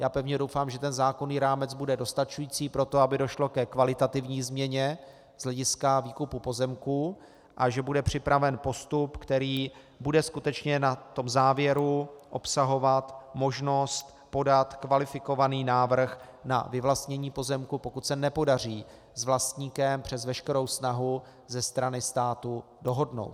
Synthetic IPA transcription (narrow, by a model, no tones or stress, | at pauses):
jaːpɛvɲɛdo̞wfaːmʒɛt̪ɛnzaːko̞niːɾaːmɛt͡sbudɛdo̞st̪at͡ʃujiːt͡siːpɾo̞t̪oabɪdo̞ʃlo̞kɛkvalɪt̪at̪ɪvɲiːzmɲɛɲɛ | z̥lɛɟɪskaviːkupupo̞zɛmkuː | ʔaʒɛbudɛpr̝̥ɪpɾavɛnpo̞st̪upkt̪ɛɾiː | budɛskut̪ɛt͡ʃɲɛnat̪ːo̞mzaːvjɛɾuʔo̞psaɦovat̪mo̞ʒno̞st̪ | po̞dat̪kvalɪfɪko̞vaniːnaːvr̩x | na̰vɪvlast̪ɲɛɲiːpo̞zɛmkupo̞kut̪sɛnɛpo̞dar̝iː | zvlast̪ɲiːkɛmpr̝̥ɛzvɛʃkɛɾo̞wsnaɦu | zɛst̪ɾanɪst̪aːt̪u | do̞ɦo̞dno̞̰wt̪